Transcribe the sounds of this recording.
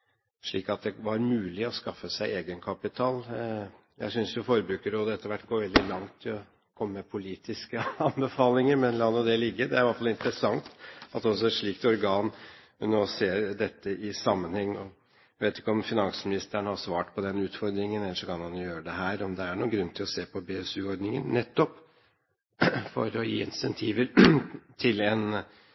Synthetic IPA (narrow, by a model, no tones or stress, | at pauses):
ʂɭiːkɑt̪̚d̪ɛʋɑɾmʉːlɪɔskɑfːəsæɪeːɡənkʰɑpɪt̪ʰɑːl | jæ̰ɪsʏnsjʊfɔɾəbɾʉːkəɾoːd̪əɛt̪ːəɾʋæʈːɡoːɾʋɛld̪ɪlɑŋt̪ʰːɪlɔ | kʰɔmːəmɛpʰʊliːt̪ʰɪskəɑnbəfɑːlɪŋəɾmɛnlɑːnɔd̪ɛlɪɡːəd̪ɛæɾʋɑʈfɑlɪnt̪ɾəsɑŋt̪ɑt̪ɔs̬ɔæʂɭiːk̚t̪ɔɾɡɑːn | noɔseːɾd̪ɛt̪ːəʔɪsɑmːənhɛŋːɔ | ʋeːt̪ɪ̥kːəɔmfɪnɑnsmɪnɪst̪əəɳəhɑsʋɑːʈpʰɔd̪ɛnːʉːt̪fɔɾd̪ɾɪŋənɛlːəʂɔkʰɑnhɑnjʊjøːɾəɖ̪ɛɦæːɾɔmd̪ɛæɳuːɡɾʉnːt̪ʰɪlɔseːpʰɔbeɛsʉːɔɾɖ̪nɪŋə̰nnːɛt̪ːɔp | fɔ̰ɾɔjḭːɪ̰nsɛnt̪ʰiːʋəɾt̪ʰɪlɛn